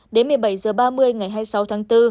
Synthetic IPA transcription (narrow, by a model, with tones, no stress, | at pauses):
ɗe˨˦nmɨ˨˩əjɓa˧˩jzɨː˨˩əɓaː˧mɨ˧əjŋa˨˩jɦaː˧jsa˨˦wt̪ʰaː˨˦ŋt̪ɨ˧